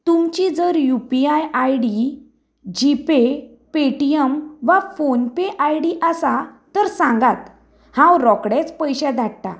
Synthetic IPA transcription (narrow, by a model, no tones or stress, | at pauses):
t̪umt͡ɕid͡zəɾjupiajajɽi | d͡ʑipe | peʈiemʋafonpeʔajɽiʔasat̪əɾsãŋɡat̪ | hãwɾɔkɽet͡spəjɕad̪ʱaɽt̪a̰